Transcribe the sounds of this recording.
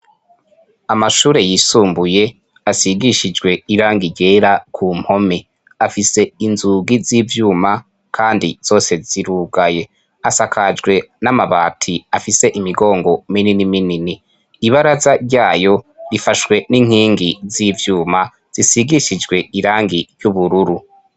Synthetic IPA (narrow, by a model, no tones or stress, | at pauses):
amaʃuːɾe̞jisuːmbuje̞ | asiɡiʃid͡ʒɡwe̞iɾaːŋɡiɟe̞ːɾakʰuːm̥ho̞me | afise̞inzuɡiziːvjuːma | kʰaːndiz̥o̞ːse̞z̥iɾuːɡaje̞ | asakʰad͡ʒɡwe̞namaβa̰ːtʰiafise̞ʔimiɡo̞ːŋɡo̞mininimininiː | βaɾazaɾɟaːjo̞ɾifaʃwe̞niŋ̥hiːŋɡizivjuːma | z̥isiɡiʃid͡ʒɡwe̞iɾaːŋɡiɾjuβuɾuɾu